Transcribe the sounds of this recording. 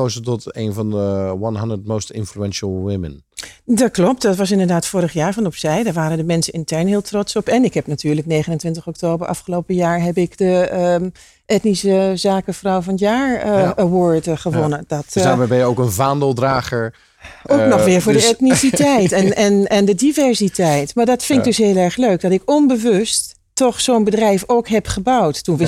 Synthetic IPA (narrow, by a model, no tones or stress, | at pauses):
ozətɔtenvɑndəwɑnɦɑndətmowstɪ̰̃nfluɛnʃəlˠwɪmə̰n | dɑt̚klɔp̚tdɑtʋɑsɪndəɹdaːtfoːɾəχjaːɹvɑnɔpsɛjdaːɹʋaːɾəndəmɛnsənɪntɛɹnɦɪːlˠtrɔtsɔpɛnɪkɦɛpnatyːɹləknejχənəntʋɪntəχɔktoːbəɹʔɑ̰fχəlowpəjaːɹɦɛpɪkdə | ʔɛtnisəzaːkəfrɔwvɑnjaːɹəwɔːɹtχəʋɔnədɑtsdaːɹbɛbɛjəowkənvaːndəlˠdraːχəɹ | owknɔχʋɪːɹvʊːɹdəɛtnisitɛjtɛnɛnɛndədivɛɹsitɛjtmaːɹdɔtfɪŋkdɵsɦɪəlˠɛɹχløɥk̚dɔtɪkɔnbəʋɵstː | ɔχsoːnbədrɛjfowkɦɛpχəbɑwttunʋɪ